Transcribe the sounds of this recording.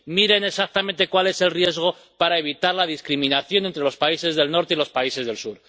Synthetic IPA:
miɾe̞ne̞sak̚t̪amẽnt̪e̞kwale̞se̞lrje̞zɣo̞ | paɾae̞βit̪aɾlað̞iskɾimĩnaθjo̞ne̞nt̪ɾelo̞spaise̞zðe̞lno̞ɾt̪e̞ilo̞spaise̞zðe̞lsuɾ

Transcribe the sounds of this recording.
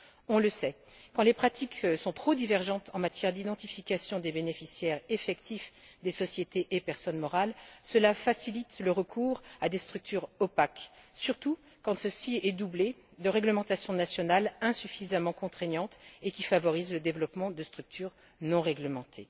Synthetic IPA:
ɔ̃ləsɛ | kɑ̃lepχat̪iksɔ̃t̪χod̪ivɛʁʒɑ̃t̪ɑ̃mat̪jɛʁd̪id̪ɑ̃t̪ifikʲasjɔ̃d̪ebenefisjɛʁefɛkt̪ifd̪esɔsjet̪eʔepɛʁsɔnmɔʁalsəlafasilit̪ləʁəkʰuːʁad̪est̪χyk̚t̪ʰyʁɔpaksyʁt̪u | kɑ̃səsiɛd̪uble | d̪əʁɛɡləmɑ̃t̪asjɔ̃nasjɔnalɛ̃syfizamɑ̃kɔ̃t̪χɛɲɑ̃t̪ekʲifavɔʁizləd̪evlɔpmɑ̃d̪əst̪χyk̚t̪ʰyːʁ | nɔ̃ʁɛɡləmɑ̃t̪ʰe

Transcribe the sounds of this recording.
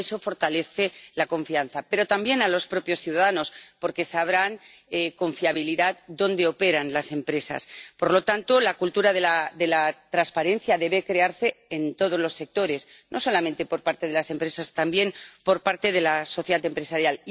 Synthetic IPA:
eso̞fo̞ɾt̪ale̞θe̞lako̞ɱfian̟θape̞ɾo̞t̪ambje̞nalo̞spɾo̞pjo̞sθjuðaðano̞spo̞ɾke̞saβɾaneko̞ɱfjaβiliðat̪d̪o̞nd̪e̞o̞pe̞ɾanlase̞mpɾe̞sa̰spo̞ɾlo̞t̪ant̪o̞lakult̪uɾaðelaðe̞lat̪ɾanspaɾe̞n̟θjaðe̞βe̞kɾe̞aɾse̞ent̪o̞ð̞o̞zlo̞sːe̞k̚t̪o̞ɾe̞znʔo̞so̞lament̪e̞po̞ɾpaɾt̪e̞ðe̞lase̞mpɾe̞sast̪ambje̞npo̞ɾpaɾt̪e̞ð̞e̞laso̞θjeðat̪e̞mpɾe̞saɾjal

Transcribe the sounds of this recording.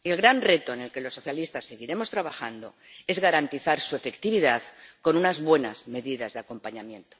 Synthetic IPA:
e̞lɣɾanre̞t̪oene̞lke̞lo̞sːo̞θjalist̪asːe̞ɣ̞iɾe̞mo̞st̪ɾaβaxa̰nd̪o̞̰ | e̞zɣaɾant̪iθaɾsue̞fe̞kt̪iβ̞iðaðko̞nunazβwe̞na̰zme̞ðiðazðeako̞mpaɲamjẽ̞nt̪o

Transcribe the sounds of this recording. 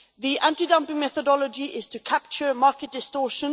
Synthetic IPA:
ðiʔãntidʌ̃mpɪ̃ŋmɛθədɔləd͡ʒiʔɪz̥tʰəkʰap̚t͡ʃəmɑˑɹkət̚d̥ɪstɔːˑʃə̃n

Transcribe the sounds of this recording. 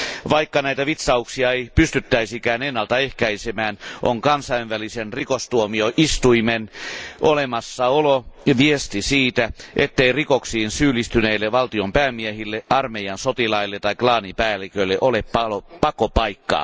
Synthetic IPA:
ʋɑikːɑnæit̪æʋit̪sɑuksiɑeipyst̪yt̪ːæisikæːnenːɑlt̪ɑehkæisemæːnʔoŋkɑnsɑiʋʋælisenrikost̪uomioʔist̪uimenʔolemɑsːɑoloʋiest̪isiːt̪æʔet̪ːeirikoksiːnsyːlːˑist̪yneːlːeʋɑlt̪iompæːmːiehilːeɑrmejɑnsot̪ilɑilːet̪ɑiklɑːnipæːlːikøilːeʔoleppɑopɑkopɑikːɑ̰ː

